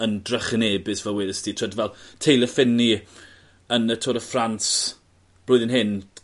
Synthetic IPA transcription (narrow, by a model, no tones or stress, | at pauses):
əndrəχneːbɪsvɛlˠwɪðəstʰitʰr̥ədvɛlˠtʰejlˠəfɪnːi | ənətʰoːɾəfrans | b̥lʊːɨðənɦɪn